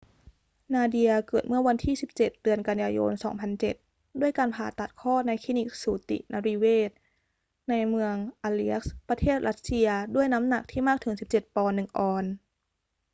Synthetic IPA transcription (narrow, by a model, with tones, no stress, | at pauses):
naː˧di˧ɐkɤː˨˩t̪̚mɯ˥˩ɐwa˧nt̪ʰiː˥˩si˨˩p̚t͡ɕe˨˩t̪̚dɯ˧ənka˧njaː˧jo̰ː˧nsɔː˩˦ŋpʰa˧nt͡ɕe˨˩t̪̚ | du˥˩əjkaː˧npʰaː˨˩t̪a˨˩t̪̚kʰɔː˥˩na˧jkʰi˦˧˥ni˧˥˩k̚suː˨˩˦t̪ḭ˨˩nʔaː˧ɾiː˧weː˥˩t̪̚ | na˧jmɯ˧əŋʔaː˧li˧˦˥ɐk̚spɾa˧t̪ʰeː˥˩t̪̚ɾa˦˥t̪̚si˧ɐdu˥˩əjna˦˥mna˨˩k̚t̪ʰiː˥˩maː˥˩k̚t̪ʰɯ˩˦ŋsi˨˩p̚t͡ɕe˨˩t̪̚pɔː˧nːɯ˨˩ŋʔɔː˧n